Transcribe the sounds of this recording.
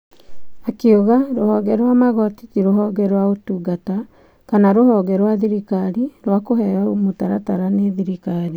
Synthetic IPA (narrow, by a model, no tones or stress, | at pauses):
akeoɣaɾohɔɣɛɾwamaɣɔtitiɾoɦɔɡɛɾwaotuɡata | kanaɾohɔɡɛɾwaðiɾikaɾiɾwakoɦɛɾaomotaɾataɾaneðiɾikaɾi